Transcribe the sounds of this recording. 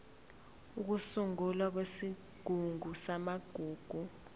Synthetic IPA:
uk̬usuŋulwak̬wesi | ɡ̥ʱuŋʱusamaɡ̥ʱuːɡ̥ʱu

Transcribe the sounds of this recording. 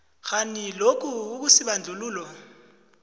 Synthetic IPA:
xanilok̬uuk̬usiɓand͡ɮʱuluːlɔ

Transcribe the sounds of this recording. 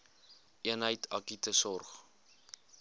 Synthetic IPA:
ʔiənɦəjtʰɐkitəsɔrχ

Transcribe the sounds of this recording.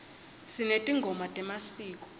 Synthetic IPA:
sinetʼiŋɡʱɔmatʼɛmasiːk̬ʼɔ̥

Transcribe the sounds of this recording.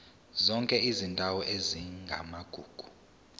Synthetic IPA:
zɔŋkʼɛizindʱawɔʔeziŋɡʱa̰maɡ̥ʱuːɡ̥ʱu̥

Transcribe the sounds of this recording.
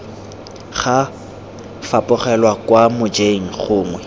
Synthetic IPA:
χa | fapʼʊχɛlwakwamʊd͡ʒeŋ̩χʊːŋwɛ

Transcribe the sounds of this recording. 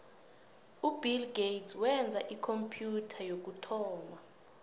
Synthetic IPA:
ubilɡejtswɛnd͡zʱaʔikʰompʰʼjutʰajok̬utʰɔːma

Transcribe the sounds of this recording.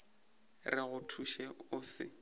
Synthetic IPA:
rɪɣʊtʰuʃɛʊsɪ̰

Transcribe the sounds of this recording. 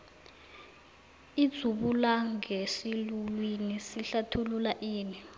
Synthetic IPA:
id̥z̥ʱuɓulaŋʱesilulwinisiɬatʰululaʔiːni

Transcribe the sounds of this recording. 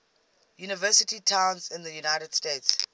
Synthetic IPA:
junɪvɜsɪtitʰãwnzɪ̃nðəjunajtɛd̥stets

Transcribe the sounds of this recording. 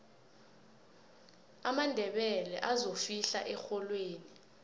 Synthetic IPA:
amandʱɛɓɛlɛ̰ʔazofiɬa̰ʔɛxɔlweːni

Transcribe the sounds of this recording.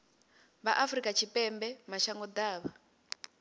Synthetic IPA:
βaʔafrikʼat͡ʃʰipʼɛmbɛmaʃaŋɡɔd̪aːβa

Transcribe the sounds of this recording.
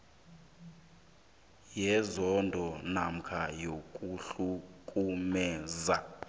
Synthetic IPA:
jɛzɔndʱɔnam̩kʰajokʼuɬukʼumɛːza

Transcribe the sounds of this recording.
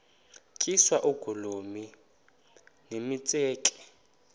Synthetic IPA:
kʼiswaʔuɡ̥ʱulomi | nemit͡sʼɛːkʼɛ̥

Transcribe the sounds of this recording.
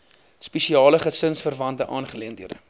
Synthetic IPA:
spɛʃiɑːləχəsənsfərvɐntəʔɑːnχəliəndiəɾə̰

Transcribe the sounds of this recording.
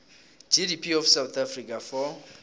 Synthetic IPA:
d͡ʒidipʰiɔfsawt̪ʰafrikʰʼafɔ

